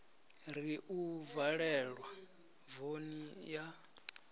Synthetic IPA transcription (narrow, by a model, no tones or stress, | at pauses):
ɾiʔuvaɺɛɺwa | vonija